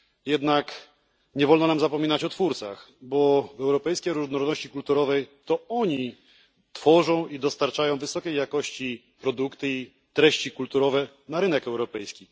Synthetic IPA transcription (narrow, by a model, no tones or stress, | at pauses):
jɛd̪nak | ɲɛvɔlnɔnamzapɔmʲinat͡ɕɔt̪fuɾt̪sa̰x | bɔvɛwɾɔpɛjskʲɛɾuʐnɔɾɔd̪nɔɕt͡ɕikult̪uɾɔvɛjt̪ɔɔɲi | t̪fɔʐɔ̃w̃id̪ɔst̪aɾt͡ʂajɔ̃w̃vɘsɔkʲejːjakɔɕt͡ɕi | pɾɔd̪ukt̪ɘi | t̪ɾɛɕt͡ɕikult̪uɾɔvɛ | naɾɘnɛkɛwɾɔpɛjskʲi